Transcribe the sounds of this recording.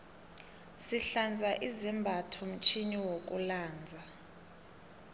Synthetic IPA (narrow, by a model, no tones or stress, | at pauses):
siɬand͡zʱaʔizimbʱatʰɔm̩t͡ʃʰiniwok̬ʼṵlaːnd͡zʱa